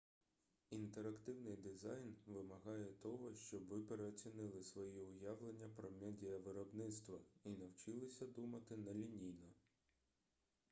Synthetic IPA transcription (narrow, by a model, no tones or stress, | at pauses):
int̪eɾɐkt̪ɪwnɪjd̪ɪzɑjnʋɪmɐɦɑjɛt̪ɔɦɔʃt͡ʃɔbʋɪpeɾeɔt͡sʲinɪlˠɪsʋɔjiʊjaʋlˠenʲːɐpɾɔmʲɛdʲijɐʋɪɾɔbnɪt̪st̪ʋɐinɐwt͡ʃɪlˠɪsʲɐd̪umɐt̪ɪnɐlʲinʲijnɔ